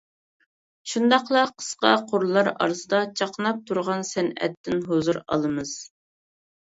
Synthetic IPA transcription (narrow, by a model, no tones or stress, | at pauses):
ʃund̪ɑqlˠɑqʰə̥sqɑ̰qʰoɾlˠɑɾɑ̰ɾsɨd̪ɑt͡ʃʰɑqənɑp̚t̪ʰuɾʁɑnsɛnɛ̰t̪ːɪnɦozuɾɑ̰lˠɨmɨz̥